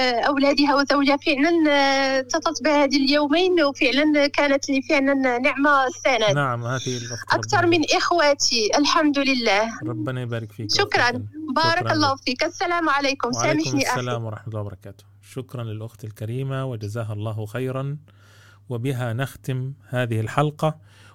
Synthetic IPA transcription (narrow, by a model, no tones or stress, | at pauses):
ʔawlæːd̪ɪɦawɪzawd͡ʒafɪʕlant̪ɑt̪ˤɑt̪bɪhhæːd̪iljuːmiːnwfɪʕlankaːnat̪lifɪʕlanːɪʕmaθːaːnanaʕamhaːðlʔʔakt̪ɑɾˤmɪnʔɪxwaːt̪ʰiʔalħamd̪ʊlɪlːaːhɾˤɑbːɪnabaːɾɪkfiːʃʊkɾˤɑnbɑːɾˤɑkɑlˤːɑːfiːkʔasːalaːmʕalaːkʊmaːmɪħniʔalaːmwɑɾˤɑ̰ħmt̪lːɑːbɑɾˤɑkaːt̪ʊ̥ | ʃʊkɾˤɑnlɪlʔʊxt̪ɪlkaɾiːmawɪd͡ʒazaːɦlˤːɑːhxajɾˤɑn | wɪbɪɦanaxt̪ɪmhaːðɪhɪlħɑlqɑ